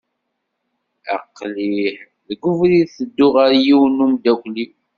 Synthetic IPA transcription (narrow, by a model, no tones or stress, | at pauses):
æ̰qːliħ | ðɡʊvɾiθəd̪ːʊʁaɾjiwnumd̪ækʷli